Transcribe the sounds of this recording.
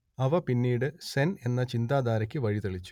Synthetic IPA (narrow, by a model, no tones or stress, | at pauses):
ɐʋɐpinːiːɽɨsene̞nːɐt͡ɕind̪aːd̪aːɾɐkʲːɨʋɐɻit̪eɭit͡ɕːu̥